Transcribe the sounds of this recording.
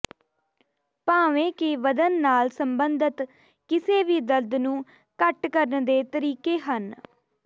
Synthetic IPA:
paːʋẽːkeʋəd̪ənːaːlsəmbənd̪ət̪ | kɪseːʋiːd̪əld̪nũː | kəʈkəɾənd̪eːt̪əɾiːkeːɦən

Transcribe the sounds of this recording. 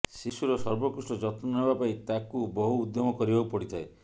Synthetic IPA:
sisuɾɔsɔɾbɔkusʈɔd͡ʒɔt̪mɔnebapait̪akubɔɦuːd̪jɔmɔkɔɾibaupɔɽit̪ʰae

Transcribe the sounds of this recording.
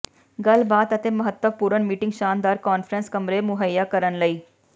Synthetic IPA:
ɡɐlbaːd̪ɐt̪emɐɦət̪wəʋpuːɾənmiːʈɪ̃ŋɡʃaːnd̪aːɾkɔːnfɾə̃nskɐmɾemʊɦəjːakɐɾənlɐiː

